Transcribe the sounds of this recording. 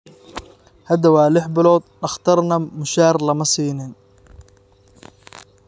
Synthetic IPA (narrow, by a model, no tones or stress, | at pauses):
hɐd̪ɐwaːlɪħbɪlɔːd̪ɖɑχt̪ʰɐrnɐmʊʃaːrlɐmɐsiːnɪn